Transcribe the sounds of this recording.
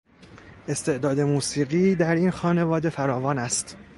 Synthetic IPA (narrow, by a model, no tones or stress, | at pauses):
ʔe̞st̪e̞ʔd̪ɒːd̪e̞muːsiːɣiːd̪æɾinxɒːne̞vɒːd̪e̞fæɾɒːvɒːnæst̪